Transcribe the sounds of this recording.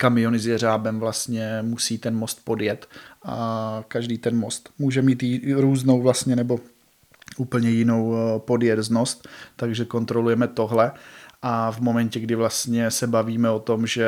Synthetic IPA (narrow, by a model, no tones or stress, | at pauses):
kamɪjo̞nɪzjɛɾaːbɛmvlast̪ɲɛmusiːt̪ɛnmo̞st̪po̞djɛt̪ʔakaʒdiːt̪ɛnmo̞st̪muːʒɛmiːt̪jɾuːzno̞wvlast̪ɲɛnɛbo̞ | ʔuːpl̩ɲɛjɪno̞wpo̞djɛzno̞st̪ːaɡʒɛko̞nt̪ɾo̞lujɛmɛt̪o̞ɦlɛʔavmo̞mɛncɛɡdɪvlast̪ɲɛsɛbaviːmɛo̞t̪o̞mʒɛ